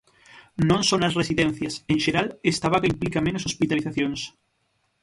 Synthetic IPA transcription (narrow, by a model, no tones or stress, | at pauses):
nõnsonɐsresiðen̟θjɐsẽŋʃeɾalest̪aβakaimplikamẽnosospit̪aliθaθjoŋs